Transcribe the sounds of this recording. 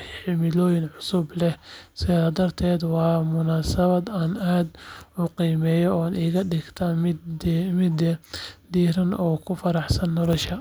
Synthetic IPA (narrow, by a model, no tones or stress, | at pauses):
ħɪmɪlɔːjɪnʕʊsʊblɛhsɪðad̪aːd̪ɐrt̪ʰɛːd̪wɑːmʊnaːsɐβɐd̪aːnaːd̪mʊqiːmɛːjɔɔːaniːɣɐɖɪɡt̪ʰɐ | mɪd̪d̪iːɾɐnɔːkʰʊfɐɾɑħsɐnːɔlɔʃɐ